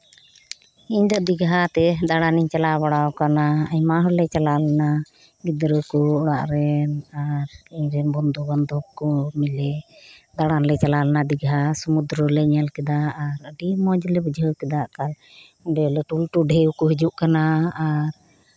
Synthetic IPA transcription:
iɲd̪ɔd̪iɡɦat̪ɛd̪aɽaniɲt͡ʃalabaɽawkanaəɲmaɦɔlɛt͡ʃalalɛna | ɡid̪ɾəkɔɔɽaʔɾɛnaɾiɲɾɛnbɔnd̪ɔbɔnd̪ɔkːɔmilɛd̪aɽanlɛt͡ʃalalɛnad̪iɡɦasumud̪ɾəlɛɲalkɛd̪aːɾəɖimɔd͡ʒlɛbəd͡ʒʱəkɛd̪aʔkal | ɔɖɛlɛʈulʈuɖʱɛuwkɔɦid͡ʒuʔkanaːɾ

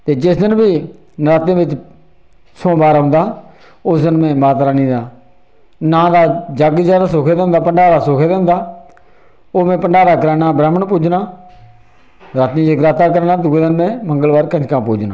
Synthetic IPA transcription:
t̪eːd͡ʒɪsd̪ɪnbiː | nɾaːt̪ẽːʋɪt͡ʃ | sõːbaːɾɦʊ̃nd̪aː | ʊsd̪ɪnmɛ̃ːmaːt̪ɾaːnĩːd̪aː | nãːd̪aːd͡ʒəɡzjaːd̪aːsoːkʰeːd̪aːʊ̃nd̪aːpəɳɖaːɾaːsoːkʰeːd̪ẽːʊ̃ːnd̪aː | oːmɛ̃ːpəɳɖaːɾaːkəɾɛːnaːbɾɛːməɳpuːd͡ʒnaː | ɾaːt̪nĩːd͡ʒəɡɾaːt̪aːkəɾɛːnaːd̪ʊɡeːd̪ɪnmɛ̃ːməŋɡəlbaːɾkəd͡ʒkãːpuːd͡ʒnã̰ː

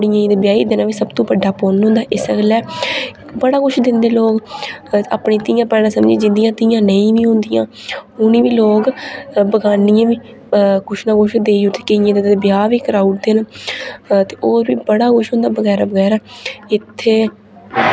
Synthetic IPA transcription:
ɽɪjãːiːd̪ebjaːḭːd̪eːnãːʋiːsəbt̪õːbəɖːaːpoːnɦõːnd̪aːʔɪsəɡlɛː | bəɽaːkʊʃʰd̪ɪnd̪eːloːk | a̰ːpɳeːt̪ɪːjãːpɛːɽãːsəmd͡ʒeːd͡ʒɪnd̪ɪjãːt̪ɪjãːnəĩːʋiːɦʊ̃nd̪ɪjã̰ː | ʊnĩːʋiːloːkbəɡaːnɪjãːʋiː | kʊʃʰnãːkʊʃʰd̪eːiːɦʊt̪eːkɪijãːd̪eebɪjaːʋiːkɾaːuʈ̚d̪eːnaː | t̪eːʔoːɾʋiːbəɽaːkʊʃɦʊ̃nd̪aːbəɡɛːɾaːbəɡɛːɾaːɪt̪ʰːeː

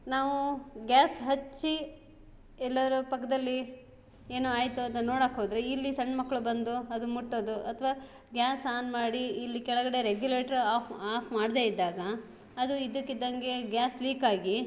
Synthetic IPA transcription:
naːʋuɡʲaːsɦɐt͡ʃːi | ɛlːɐʋɐɾɐpɐkːɐd̪ɐlːi | eːnuaːjt̪uɐnt̪ɐnoːɽakɦoːd̪ɐɾeilːisɐɳɖmɐkːɐɭubɐnd̪uɐd̪umuʈːoːd̪uʔɐt̪ʰɐʋaː | ɡʲaːsaːnmaːɽiːlːikɛɭɐɡɐɽe̞ɾeɡjule̞ːʈɐɾaːpaːpʰmaːɽd̪e̞ːid̪ːaːɡɐː | d̪uid̪ukːid̪ːɐŋɡe̞ɡʲjaːsliːkaːɡi

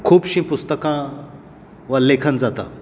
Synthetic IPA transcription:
kʰuːbɕĩpʊst̪əkã | ʋəlekʰənd͡zat̪a̰

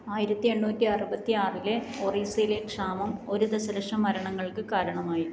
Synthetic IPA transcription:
aːjiɾɐt̪ːie̞ɳːuːtːiɐrubɐt̪ːiaːrile̞ | oːriːsɐjile̞kʂaːmɐmo̞ɾud̪ɐsɐɾɐʂɐmːɐɾɐɳɐŋːɐɭkɨkaːɾɐɳɐmaːji

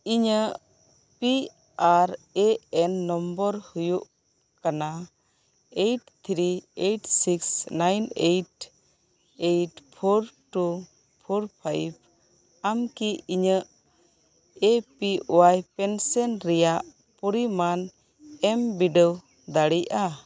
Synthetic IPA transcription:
iɲəʔ | pi | aɾeɛnːɔmbəɾhujuʔ | kana | ejʈt̪ʰɾiejʈsiksnajnejʈ | ejʈpʰoɾʈu | pʰoɾpʰajb̚ | amkiiɲəʔ | epiʔɔwajpɛnsɛnɾɛjaʔ | puɾiman | ɛmbiɖəw | d̪aɽijʔa

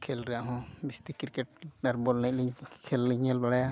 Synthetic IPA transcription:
kʰɛlɾɛaʔɦɔ̃bist̪ikiɾkɛʈ̚ɖaɾbɔlnɛc̚liɲkʰɛlːiɲɛlbaɽaja

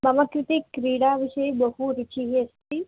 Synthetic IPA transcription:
mamakɾit̪ikɾiɽaʋiɕəjbəɦuɾit͡ɕiɦiəst̪i

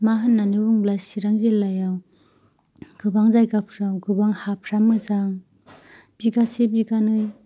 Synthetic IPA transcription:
maɦɯnːanɯbuŋblasiɾaŋzelːajaw | ɡ̥ɯbaŋzajɡapʰɾawɡɯbaŋhapʰɾamɯzaŋ | b̥iɡasebiɡanɯj

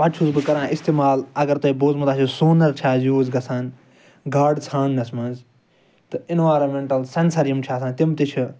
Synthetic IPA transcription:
pɐt͡ʃʰuzbɨkɐɾãːʔist̪eːmaːlɐɡɐɾt̪ɐiboːzmɐt̪aːt͡ʃʰusoːnɐɾt͡ʃʰaːzjuːzɡɐsʰan | ɡaːɖt͡sʰãːnnɐsmɐ̃nz | t̪ɨinʋaːɾɐmeɳʈɐlsensɐɾijɐmt͡ʃʰaːsãːnt̪imt̪it͡ʃʰi

